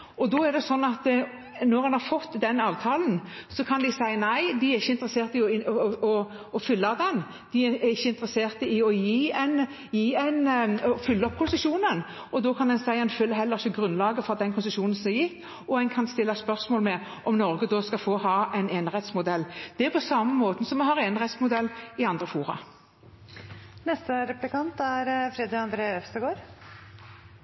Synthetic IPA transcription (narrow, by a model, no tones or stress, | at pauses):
ɔd̪ɔɛɾd̪ɛsɔnːɑt̪ | nɔɾɛnhɑɾfɔt̪ːd̪ɛnɑːʋt̪ʰɑːln̩sɔkʰɑnd̪ɪsæɪnæɪd̪ɪæɪçːəɪnt̪əɾəseːɾt̪ɪɔɪɔ | ɔfʏlːɑd̪ɛn | d̪̥ɪæɪçːəɪnt̪əɾəseːʁt̪əɪɔjiːɛn | jiːɛnɔfʏlːəɔp̚ːkʰʊnsəsuːnən | ɔd̪ɔkʰɑnd̪ɛnsæɪɑnføːlːəɦɛlːəɾɪçəɡɾʉnlɑːɡəfɔʁd̪ɛnkʰʊnsəʂuːnn̩sɔmɛjɪt̪ː | ɔæɪnkʰɑnst̪ɪlːɑspœʁsmoːlmɛ | ʔɔmnɔɾɡəd̪ɔskɑfoːhɑːʔɛɪnɛnɾɛt̪smʊd̪ɛlːd̪̥ɛæpʰɔsɑmːəmoːt̪ən̩sɔmɛnɦɑʁeːnəʁɛt̪smʊd̪ɛlːɪɑnd̪ɾəfuːʁɑ̰ | nɛst̪əɾɛplɪkʰɑnt̪æɾfɾɛd̪ɪɑnd̪ɾeːœfst̪əɡoːɾ